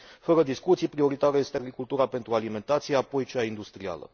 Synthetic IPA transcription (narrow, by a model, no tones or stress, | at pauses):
fəɾəd̪iskut̪sijpɾio̞ɾit̪aɾəje̞st̪eaɡɾikult̪uɾape̞nt̪ɾualime̞nt̪at̪sijeapo̞jt͡ʃaind̪ust̪ɾia̰lə̰